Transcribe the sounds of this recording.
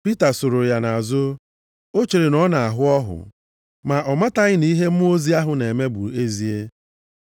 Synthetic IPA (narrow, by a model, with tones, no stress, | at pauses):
pi˦ta˨so˨ɾo˨ja˨na˨a˨zʊ˦ | o˦t͡ʃi˨ɾɪ˨nɔ˦na˨a˨ɦʊ˦ɔ˦ɦʊ̰˨ | ma˨ɔ˨ma˦ta˦ɣɪ˦ni˦ɦe˦m̩˦m˦o˦zi˦a˦ɦʊ˨ne˨me˦bʊ̰˨e˦zi˨˦e˦